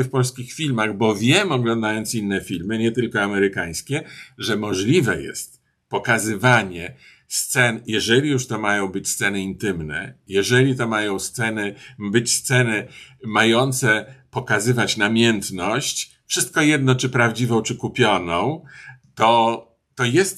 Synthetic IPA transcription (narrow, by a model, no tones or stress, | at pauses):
fpɔlskʲixfʲilmaɣbɔvʲjɛmɔɡlɔ̃nd̪ajɔnt̪sinːɛfʲilmɘɲɛt̪ɘlkɔamɛɾɘkaj̃skʲɛʐɛmɔʐlʲivɛjɛ̰st̪̚ | pɔkazɘvaɲɛ | st̪sɛnjɛʐɛlʲijuʂt̪ɔmajɔ̃w̃bɘt͡ɕst̪sɛnɘint̪ɘmnɛ̰jɛʐɛlʲit̪ɔmajɔ̃w̃st̪sɛnɘbɘt͡ɕst̪sɛnɘmajɔnt̪sɛpɔkazɘvat͡ɕnamʲjɛnt̪nɔɕt͡ɕ | fʂɘst̪̚kɔjɛd̪̚nɔt͡ʂɘpɾavd͡ʑivɔ̃w̃t͡ʂɘkupʲjɔnɔ̃w̃t̪ɔ | t̪ɔjɛst̪